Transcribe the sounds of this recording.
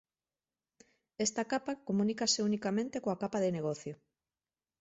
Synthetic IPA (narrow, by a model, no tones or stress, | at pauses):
est̪akapakomũnikaseunikamẽnt̪ekoakapaðeneɣɔθjo